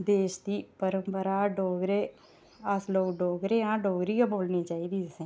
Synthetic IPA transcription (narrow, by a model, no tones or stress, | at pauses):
d̪eːʃd̪iːpəɾəmpəɾaːɖoːɡɾeː | əsloːkɖoːɡɾeːãːɖoːɡɾiːãboːlniːt͡ʃaːiːd̪iːsẽː